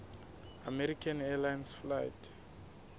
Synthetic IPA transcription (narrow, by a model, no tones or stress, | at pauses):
amɛɾikʰanɛlajnsfla̰jtʰ